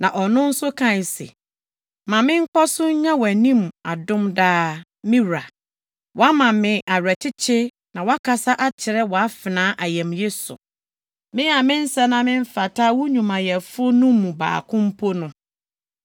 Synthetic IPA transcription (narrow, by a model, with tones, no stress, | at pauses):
nã˨ʔɔ˨nʊ̃˦n̩˦sʊ˦kʰã˦˨n˨sḛ˨ | mã˨mɪ̃˦ŋ̩˦kɔ˦sʊ˦ɲ̩˦ɲã˦wɔ˨æ˨nĩ˦ma˨dʊ̃˦mdaː˦ | mɪ̃˦ɾa˨ | wʔɔ˨a˦mã˨mɪ̃˨ʔa˨ɾæ˨tʰɪ˦t͡ɕʰɪ˦ | nã˨wa˦kʰa˨sa˦ʔa˦t͡ɕʰɪ˨ɾɛ˦wɔ˨a˦fɪ˨nãː˨˦ʔa˨jɛ̃˨mje˦sʊ̰˨ | mɪ̃˦a˨mɪ̃˦n̩˦sɛ˦nã˨mɪ̃˦ɱ˦fa˨tʰa˦wɲũ˨mã˨jɛ˨fʊ˦o˦nʊ̃ː˦ũ˨ba̰ː˨kʰʊ̃˦m̩˦pʰo˦nʊ̃˨